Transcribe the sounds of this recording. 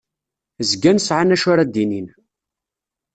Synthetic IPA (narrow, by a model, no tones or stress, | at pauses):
zɡænsʕanæʃʊɾad̪inin